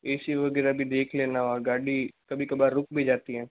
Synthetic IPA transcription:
eːsiːʋəɡɛːɾaːbʱĩːd̪eːkʰleːnaːʋaːɡaːɖiːkəbiːkəbaːɾʊkbiːd͡ʒaːt̪iːɦɛː

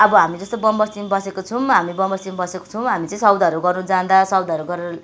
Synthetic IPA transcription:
ʌbʌɦamid͡zʌst̪obʌmbʌst̪imbʌsekot͡sʰũɦamibʌmbʌst̪imbʌseko̥t͡sʰʌw̃ɦamit͡sʌ̃ĩsʌwd̪ʌɾuɡʌrnud͡zãd̪asʌwd̪ʱʌɾuɡʌɾeɾʌ

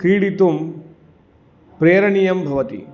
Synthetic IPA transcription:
kɾiːɽit̪um | pɾeːɾɐɳijɐmbʱɐʋɐt̪ḭ

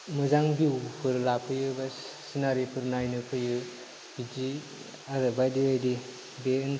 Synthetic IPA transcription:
mɯzaŋbiwpʰɯɾlapʰɯjɯba | sinaɾipʰɯɾnajnɯpʰɯjɯ | id͡ʒi | aɾɯbajdiajdi | ben

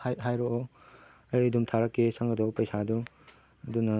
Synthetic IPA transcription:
hajɦajɾoʔɔ | ɐjdumtʰaɾɐkːesaŋɡɐdɔpɐjsadu | ɐdunɐ

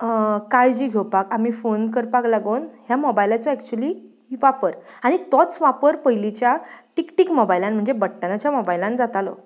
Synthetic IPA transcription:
kajd͡ʑiːɡʱewpakamiːfonkəɾpaklaɡonɦjamobajlat͡sɔɛkt͡ɕuəliː | ʋapəɾaɽ̃it̪ɔt͡sʋapəɾpəjlit͡ɕjaʈikʈiːkmobajlanm̤əɳd͡zebəʈːanat͡ɕjamɔbajlãnd͡zat̪alɔ̰

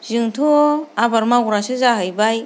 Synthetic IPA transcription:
zɯŋtʰoabaɾmaɡɾasɯzaɦɯjbaj

